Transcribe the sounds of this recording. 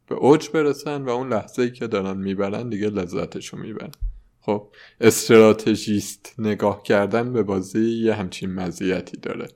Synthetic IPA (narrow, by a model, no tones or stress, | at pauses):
b̥e̞̰ʔod͡ʒbe̞ɾesænvæunlæhz̥eiːcʰe̞d̪ɒːɾænmiːbæɾænd̪iɡelezːæ̰t̪ʰeʃunmḭːbæ̰ɾæn | xob̥̚ʔe̞st̪eɾɒːt̪ʰeʒist̪ne̞ɡɒːhcʰæɾd̪ænbe̞bɒːzejjeɦæmt͡ʃʰinmæzijæt̪ʰiːd̪̥ɒ̰ːɾḛ